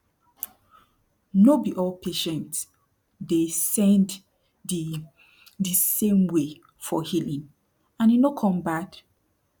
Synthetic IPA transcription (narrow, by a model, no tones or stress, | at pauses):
nobiʔɔlpʰeʃɛ̃nt | desɛ̃nd | i | disẽmwe | fɔhilĩŋ | ãninokʰɔ̃mbat